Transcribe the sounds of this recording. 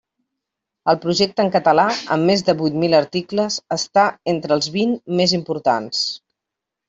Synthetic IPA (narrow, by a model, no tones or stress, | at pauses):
əlˠpɾuʒɛk̚t̪əŋkət̪əlaə̰mːezðəβujt̪miləɾt̪ikləzəst̪aent̪ɾəlˠzβinmezimpuɾt̪a̰ns